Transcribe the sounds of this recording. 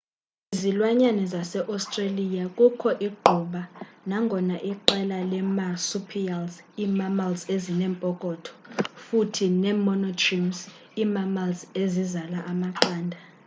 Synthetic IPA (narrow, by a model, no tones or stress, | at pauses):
izilwaɲanɛzasɛʔɔstʼrelijakʼukʰɔʔiɡ͡ǃʱuɓanaŋɡʱɔnaʔiǃɛlalɛmasupʰialz | iːmamalzezinɛːmpʼɔkʼɔːtʰɔ̥futʰinɛmɔnɔtʰʼrims | imamalzezizalaʔamaǃaːndʱa